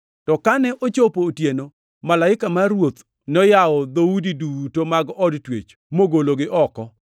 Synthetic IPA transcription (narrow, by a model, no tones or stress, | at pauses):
tɔkanɛʔot͡ʃopootjeno | malaɪkamaɾwot̪ | nɔjaɔd̪audidutomaɡɔdtwḛt͡ʃ | moɡoloɡɪʔɔkɔ